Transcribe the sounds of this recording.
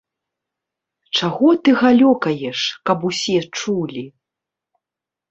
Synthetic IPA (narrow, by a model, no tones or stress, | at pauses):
t͡ʂaɣɔt̪ɨɣalʲɔkɐjɛʂkɐpusʲɛt͡ʂulʲi